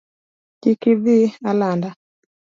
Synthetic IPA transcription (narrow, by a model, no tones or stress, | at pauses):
kikiðialanda